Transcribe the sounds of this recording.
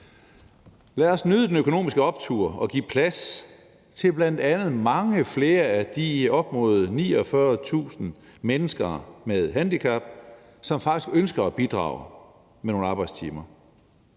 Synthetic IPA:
læɒsnøðˠəd̥enøkʰo̝no̝̰ːmisɡ̥əɒ̽b̥̚t͡sʰuɐ̰ɒ̽ɡ̥ḭːpʰlæs | t͡sʰe̝lb̥læn̰d̥ænð̞̩ˠmɑ̈ŋəfle̝ːɐæd̥iɒ̽b̥̚mɔ̝ð̩ˠnḭːɒfɶɐt͡sʰṵːsn̩ | menəsɡ̥ɐːmeðˠɦænd̥ikʰæb̥ | sɒ̽mfɑ̈ɡ̥isɡ̥ønsɡ̥ɐæb̥id̥ʁɑ̰̈ːʊ | meno̝ːn̩ɑ̈ːb̥ɑ̈ɪd̥st͡sʰḭːmɐ

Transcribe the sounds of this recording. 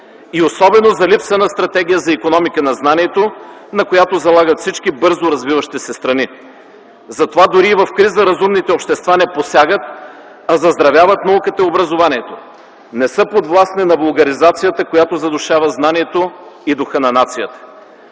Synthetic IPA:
iosɔbɛnozɐlipsənəst̪ɾɐt̪ɛɡ̟ijəzɐikonɔmikənɐznaniɛt̪o | nɐkojat̪ozɐlˠaɡət̪fsit͡ʃk̟ibɤɾzoɾɐzvivəʃt̪isɛst̪ɾɐni | zɐt̪ovad̪ʊɾiːvɐfkɾizəɾɐzumnit̪ɛopʃt̪ɛst̪vanɛposʲjaɡət̪ | ɐzɐzd̪ɾɐvʲjavət̪nɐukət̪əiobɾɐzovaniɛt̪o | nɛsɤpod̪vlˠasnɛnɐvɐlˠɡɐɾizat̪sijət̪əkojat̪ozɐd̪ʊʃavəznaniɛt̪oid̪oxənɐnat̪sijət̪ə̥

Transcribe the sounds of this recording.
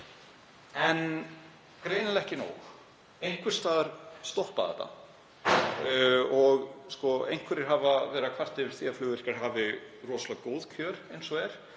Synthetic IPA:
ɛn | kɾeːjnalɛhcɪnṵːwx | ejŋ̥kvɪɾ̥st̪aːðaɾ̥st̪ɔhpaðɛ̰t̪ːa̰ | ɔɣskɔḛjŋ̥kvɛɾɪɾ̥ɦavavɛːɾakʰvar̥t̪ɪvɪɾ̥θiːaflʏːɣʏɪ̥kaɾ̥ɦaːvɪ | rɔsɔlakoːwðcʰœːɾejnsɔɛɾ̥

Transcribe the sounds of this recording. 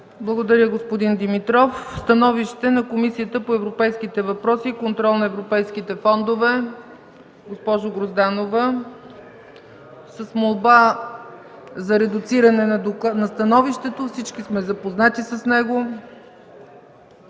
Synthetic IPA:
blˠɐɡod̪ɐɾʲəɡospod̪ind̪imit̪ɾɔfst̪ɐnɔviʃt̪ɛnɐkomisiət̪əpoɛvɾopɛjsk̟it̪ɛvɐpɾɔsiːkont̪ɾɔlˠnɐɛvɾopɛjsk̟it̪ɛfɔnd̪ovɛ | ɡospɔʒoɡɾozd̪anovə | səsmolˠba | zɐɾɛd̪ʊt̪siɾɐnɛnɐd̪nɐst̪ɐnɔviʃt̪ɛt̪ofsit͡ʃkismɛzɐpoznat̪isɐsnɛɡo

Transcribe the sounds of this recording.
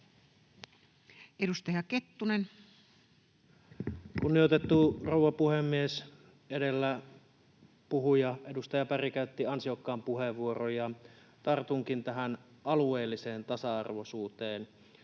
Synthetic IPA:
ʔedust̪ɑjɑket̪ːunen | kunːijot̪et̪ːurouwʋːɑpuhemːies | edelːæ | puɦujɑʔedust̪ɑjɑpærikæyt̪ːiɑnsiokːɑːmpuɦeʋːuorojɑ | t̪ɑrt̪uŋkint̪æɦænʔɑlueːlːiseːnt̪ɑsɑɑ̰rʋosuːt̪eːn

